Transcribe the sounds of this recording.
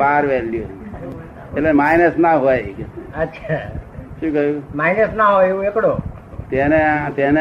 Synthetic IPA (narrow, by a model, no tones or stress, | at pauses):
aɾʋɛljo | elemajnəsnaɦojekeətːʃʰaʃũːkəjũmajnəsnaɦojũekɽo | t̪eneat̪ene